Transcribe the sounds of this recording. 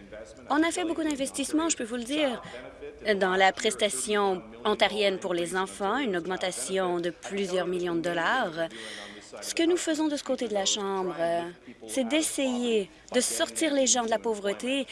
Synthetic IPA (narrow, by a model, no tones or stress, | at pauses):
ɔ̃nafɛbokud̪ɛ̃vɛst̪ismɑ̃ʒəpøvuləd̪iːʁ | d̪ɑ̃lapχɛst̪asjɔ̃ | ɑ̃t̪ɛʁjɛnpuʁlezɑ̃fɑ̃ynɔɡmɑ̃t̪asjɔ̃d̪əplyzjœʁmiljɔ̃d̪əd̪ɔlaːʁ | sə̥kənufəzɔ̃d̪əsə̥kot̪ed̪əlaʃɑ̃ːbʁsɛd̪ɛseje | d̪əsɔʁt̪iːʁleʒɑ̃d̪əlapovʁət̪e